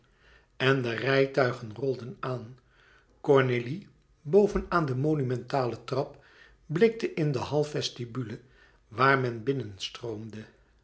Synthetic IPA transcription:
ɛndərɛjtœɥχənrɔlˠdənaːn | kɔɹneli | bowvənaːndəmonymɛntaːlətrɑp̚ | blɪk̚təʔɪndəɦɑlˠfɛstibylə | ʋaːɹmɛnbɪnənstrowmdə

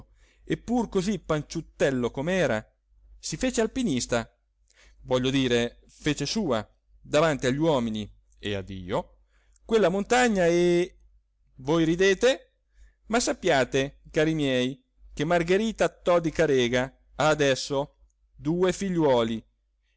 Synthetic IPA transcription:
epːurkozipːant͡ʃut̪ːɛlːokomɛːɾa̰ | sifeːt͡ʃealpinist̪a | vɔʎːod̪iːɾe | feːt͡ʃesuːa̰ | d̪avant̪iaʎːwɔːmini | ea̰d̪ːḭːo | kwelːamont̪aɲːae | vojɾid̪eːt̪e | masːapːjaːt̪ekaːɾimjɛj | k̟emarɡeɾiːt̪at̪ːɔd̪ikaɾɛːɡaː | d̪ɛsːo | d̪uːefiʎːwɔːli

